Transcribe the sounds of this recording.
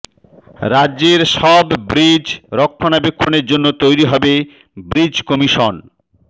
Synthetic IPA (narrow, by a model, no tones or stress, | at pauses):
ɾadːʑeɾʃɔbbɾid͡ʑɾɔkʰːonabekʰːoneɾd͡ʑonːot̪ojɾiɦɔbe | bɾid͡ʑkɔmiʃon